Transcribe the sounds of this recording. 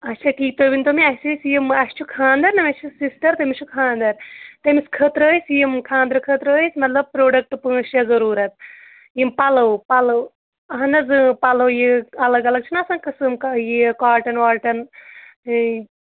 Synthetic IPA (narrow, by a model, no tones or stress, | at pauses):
ɐtːt͡ʃʰaːkiːt̪oʋint̪omiɐɦsisjimɐst͡ʃʰukʰaːnd̪ɐɾnɐmʲɐt͡ʃʰusisʈɐɾt̪emit͡ʃʰukʰãːnd̪ɐɾt̪emiskʰəːt̪ɾɐjsjimkʰãːnd̪ɾɐkʰəːt̪ɾɐjsmɐt̪lɐb̚pɾoːɖɐk̚ʈpɨ̃ːʃjɐzɐɾuːɾɐt̪̚ | jimpɐlɐwpɐlɐw | ɐɦɐnɐzɨpɐlɐwjiɐlɐɡɐlɐɡ̚t͡ʃʰunasɐːnkɐsɨmkajikaːʈɐnʋaːʈɐn